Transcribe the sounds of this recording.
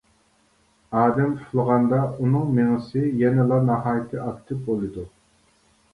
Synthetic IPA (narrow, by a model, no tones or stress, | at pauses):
ɑːd̪ɛmpʰulˠʁɑnd̪ɑunɨŋmeŋɨsɪjɛnɛlˠɑnɑɦɑːjɪt̪ʰɨʔɑkt̪ʰɪpbolˠɨd̪u